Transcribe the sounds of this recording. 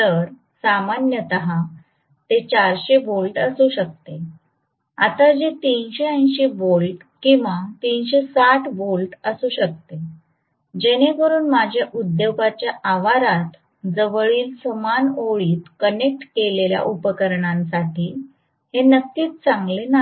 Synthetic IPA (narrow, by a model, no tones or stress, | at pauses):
t̪əɾ | samanjət̪əɦã | t̪et͡ɕaɾɕebolʈəsuɕək̚t̪e | a̰t̪ad͡ʑet̪inɕeə̃j̃ɕebolʈ | kĩw̃ʋat̪inɕesaʈʰbolʈəsuːɕək̚t̪e | d͡ʑeñebəɾuːnmad͡ʑʱjaʔud̪jewɡat͡ɕjaʔaʋaɾat̪ | d͡zəʋəɭiːlsəmanoɭiːt̪kənek̚ʈkelelja̰ʔupəkəɾɳãnsaʈʰiː | henəkːiːt̪̚t͡saŋɡlena